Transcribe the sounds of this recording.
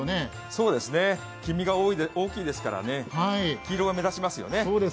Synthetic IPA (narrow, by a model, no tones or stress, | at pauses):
ne | so̞ːd̪e̞sɨne̞ | kʲimʲiɡaoːioːkʲiːd̪e̞sɨ̥kaɾa̰ne̞haikʲiːɾo̞ːɡame̞zaɕimasɨjo̰ne̞oːd̪e